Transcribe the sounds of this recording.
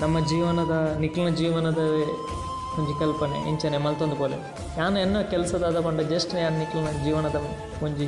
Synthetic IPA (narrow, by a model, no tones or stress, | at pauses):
nɐmːɐd͡ʒiːʋɐnɐd̪ɐnikːlinɐd͡ʒiːʋɐnɐd̪ɐ | kuɲd͡ʒukɐlpɐnḛʔḭɲt͡ʃɐnemɐlt̪ond̪ukoːle | jaːnuɛnːɐkɛlɐsɐd̪aːd̪ɐpɐɳɖɐd͡ʒɐsʈɐnjaːnunikːlinɐd͡ʒiːʋɐnɐd̪ɐʋ | koɲd͡ʒi